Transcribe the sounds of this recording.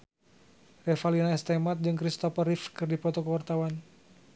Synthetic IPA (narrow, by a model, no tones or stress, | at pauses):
rɛfalinaɛst̪ɛmat̪̚d͡ʒɨŋkɾist̪ɔpərɾifkɨrdipɔt̪ɔkəwart̪awan